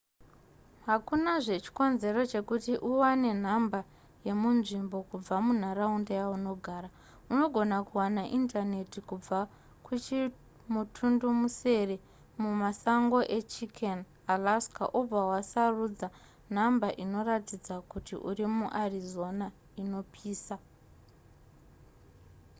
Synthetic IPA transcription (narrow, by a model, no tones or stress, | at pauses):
ɦakunaʐe̞t͡ʃi̥ko̞nze̞ɾo̞t͡ʃe̞kutiʔuwane̞n̤amba | je̞munʐimbo̞kub͡vamun̤aɾaundejauno̞ɡʱaːra | uno̞ɡʱo̞nakuwanaʔintane̞tikub͡va | kut͡ʃi | mutʰundumuse̞re̞ | mumasaŋɡo̞ʔe̞t͡ʃikʰen | alaska̰ʔub͡vawasarud͡za | n̤ambaʔino̞ratid͡zakutḭʔṵrimuʔarizo̞na | ino̞pʰiːsa